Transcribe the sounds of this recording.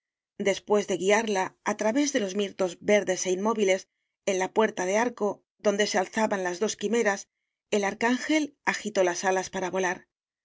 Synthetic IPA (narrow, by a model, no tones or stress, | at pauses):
d̪e̞spwe̞zðe̞ɣiaɾlaːt̪ɾaβe̞zðe̞lo̞zmiɾt̪o̞zbe̞ɾðe̞se̞inmo̞βile̞s | e̞nlapwe̞ɾt̪aðe̞aɾko̞ | ðo̞nd̪e̞sealθaβanlazðo̞skime̞ɾas | e̞laɾkaŋxe̞laxit̪o̞lasalaspaɾaβo̞laɾ